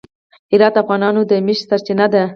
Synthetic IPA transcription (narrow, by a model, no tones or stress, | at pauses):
ɪɾɑt̪afɣɑnɑnod̪əmɪʃsaɾt͡ʃɪnad̪a